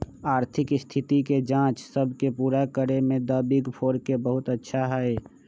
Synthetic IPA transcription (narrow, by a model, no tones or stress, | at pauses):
aːɾt̪ʰɪkst̪ʰɪt̪iked͡ʒãːt͡ʃsəbʱkepuːɾakəɾemẽd̪əːbɪɡpʰoːɾkebəɦʊt̪ətːʃʰaɦɛe